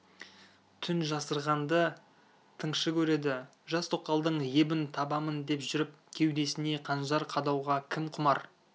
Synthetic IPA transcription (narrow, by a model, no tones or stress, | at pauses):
t̪ʰʏnʒɑsəɾʁɑnd̪ə | t̪ʰəɴʃəkʲʰɵɾe̞d̪ɪ | ʒɑst̪ʰoq̚t̪ɑlˠd̪əɴje̞bɪnt̪ʰɑbɑmənd̪e̞pʒʏɾɪp̚kʲʰe̞wd̪e̞sɪne̞qʰɑnʒɑɾqʰɑd̪ɑwʁɑkʲʰɪmqʰʊmɑɾ